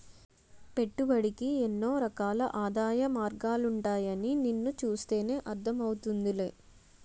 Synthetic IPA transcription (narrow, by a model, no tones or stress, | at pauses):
pe̞ʈːubɐɽikienːo̞ːɾɐkaːlɐʔaːd̪aːjɐmaːɾɡaːluɳʈaːjɐnininːut͡ʃuːst̪e̞ːne̞ːʔɐɾd̪ʰʱɐmɐwut̪und̪ile̞ː